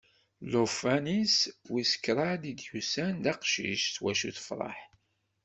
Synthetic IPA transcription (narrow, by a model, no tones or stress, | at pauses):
lofæniswisə̥kːɾˤɑd̪id̪jusænd̪æqʃḭʃθwæʃṵθə̥fɾˤɑ̰ħ